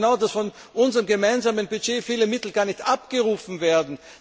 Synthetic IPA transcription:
naʊdasfɔn | ʔʊnzəʁəmɡəmaɪnzaːmənbyd͡ʒeːfiːləmɪtl̩ɡaːɐnɪçtʔapɡ̥əʁuːfn̩veːɐdn̩

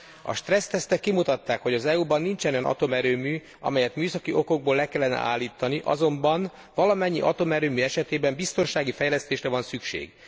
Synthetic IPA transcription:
ɒ̰ʃt̪rɛst̪ɛst̪ɛkːimut̪ɒt̪ːaːkho̞ɟɒzɛubɒnːint͡ʃɛnojɒnʔɒ̰t̪o̞mɛɾøːmyː | ɒ̰mɛjɛt̪myːsɒkiʔo̞ko̞ɡ̚boːlɛkɛlːɛnɛ̰ʔa̰ːlːiːt̪ːɒniʔɒ̰zo̞mbɒn | vɒlɒmɛɲːiʔɒt̪o̞mɛɾøːmyːɛʃɛt̪eːbɛmbist̪o̞nʃaːɡifɛjlɛst̪eːʃrɛvɒnsykʃḛːɡ̥

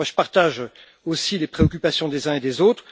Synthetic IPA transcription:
aʒə̥paʁt̪aʒ | osilepχeɔkʲypasjɔ̃d̪ezɛ̃ed̪ezot̪χ

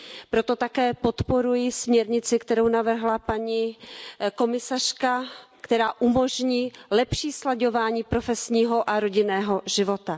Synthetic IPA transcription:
pɾo̞t̪o̞t̪akɛːpo̞t̪po̞ɾujɪsmɲɛɾɲɪt͡sɪkt̪ɛɾo̞wnavr̩ɦlapaɲi | ko̞mɪsar̝̥kakt̪ɛɾaːʔumo̞ʒɲiːlɛpʃiːslaɟo̞vaːɲiːpɾo̞fɛsɲiːɦo̞ʔaɾo̞ɟɪnɛːɦo̞ʒɪvo̞t̪a

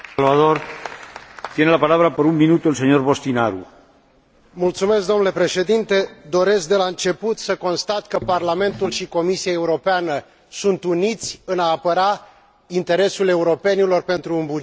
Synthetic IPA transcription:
lvaðoɾ | t̪jenelapalaβɾapəɾuŋminut̪uelseɲorβost̪inaɾṵ | mult̪sume̞sk̚d̪o̞mnule̞pɾe̞ʃe̞d̪int̪e̞d̪o̞ɾe̞sk̚d̪e̞laɨnt͡ʃe̞put̪səko̞nst̪at̪kəparlame̞nt̪ulʃiko̞misiae̞uɾo̞peanə | sunt̪unit̪sʲɨnaːpəɾa | int̪e̞ɾe̞sule̞uɾo̞pe̞nilo̞rpe̞nt̪ɾuːnbu

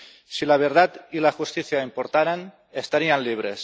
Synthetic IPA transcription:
silaβ̞eɾðat̪ilaʝust̪iθjaimpoɾt̪aɾan | est̪aɾianliβ̞ɾes

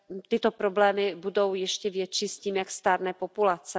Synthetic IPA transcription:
t̪ɪt̪opɾoblɛːmɪbudo̞wjɛʃcɛvjɛt͡ʃisciːmjakst̪aːɾnɛːpopulat͡sɛ

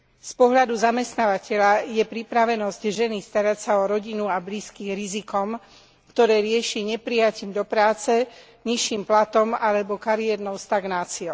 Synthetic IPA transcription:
spɔɦʎad̪uzamɛst̪naːʋacɛʎajɛpɾipɾaʋɛnɔzɟʒɛnist̪aɾacsaɔɾɔɟinuabliːskiːɣɾizikɔm | kt̪ɔɾɛːɾɪɛʃiɲɛpɾijaciːmd̪ɔpɾaːt͡sɛ | ɲiʃiːmplat̪ɔmalɛbɔkaɾiɛɾnɔʊst̪aɡnaːt͡siɔʊ

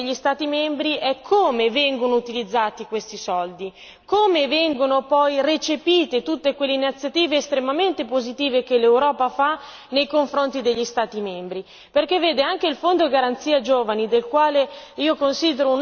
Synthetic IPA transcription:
eʎːist̪aːt̪imɛmbɾiʔɛkʰːoːmevɛŋɡonout̪ilid̪zːaːt̪ikwest̪isɔld̪i | koːmevɛŋɡonopɔjret͡ʃepiːt̪et̪ut̪ːekwelːeinit̪sjat̪iːveːst̪ɾemament̪epozit̪iːvekelewɾɔːpafa | nejkoɱfɾont̪id̪eʎːist̪aːt̪imembɾi | perkevːeːd̪eaŋk̟eilfond̪oɡaɾant̪siːad͡ʒoːvanid̪elkwaːleiːokonsiːd̪eɾoun

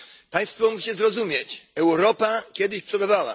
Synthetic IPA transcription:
paj̃st̪fɔmut͡ɕɛzɾɔzumʲjet͡ɕɛwɾɔpakʲjɛd̪ɘɕpʂɔɡɔvawa̰

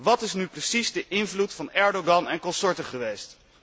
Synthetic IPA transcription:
ʋɑtɪsnyprəsizdəʔɪnvlutfɑnɛɹdoɡɑnɛnkɔsɔɹtəχəʋejst

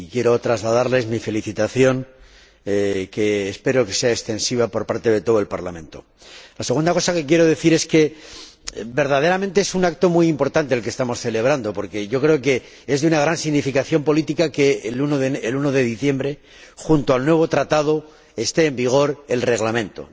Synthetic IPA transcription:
ikje̞ɾo̞t̪ɾazlaðaɾle̞zmife̞liθit̪aθjo̞ŋ | keːspe̞ɾo̞ke̞̥se̞aekst̪e̞nsiβ̞apo̞ɾpaɾt̪e̞ðe̞t̪o̞ð̞oelpaɾlamẽ̞nt̪o̞̰ | lase̞ɣund̪ako̞sake̞k̬je̞ɾo̞ðe̞θiɾe̞ske̞ | be̞ɾð̞aðe̞ɾament̪e̞esunak̚t̪o̞mujimpo̞ɾt̪ant̪elkest̪amo̞sθe̞le̞β̞ɾand̪o̞po̞ɾke̞ʝo̞kɾe̞oke̞ | ezðunaɣ̞ɾansiɣnifikaθjo̞mpo̞lit̪ikakelunoðeeluno̞ðe̞ðiθje̞mbɾe̞ | xunt̪oalnwe̞β̞o̞t̪ɾat̪að̞o̞ | e̞st̪e̞ːmbiɣ̞o̞ɾe̞lre̞ɣlamẽ̞nt̪o̞̰

